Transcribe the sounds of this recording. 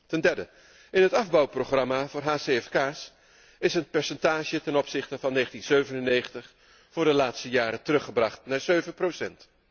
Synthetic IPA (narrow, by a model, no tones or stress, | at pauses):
tɛndɛɹdə | ɪnɦətɑvbɑwproχrɑmavʊːɹɦaːseɛfkaːs | ɪsənpɛɹsɛntaːʒətɛnɔpsɪχtəvɑnːejχəntinz̥øɥvənənejχəntəχ | fʊːɹdəlaːtstəjaːɾətərɵχəbrɑχtnaːɹzøɥvənprowsɛnt